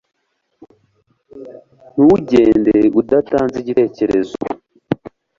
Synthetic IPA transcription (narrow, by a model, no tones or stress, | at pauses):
nuwuɟeːndeudataːnziɟite̞ːce̞ɾezo̰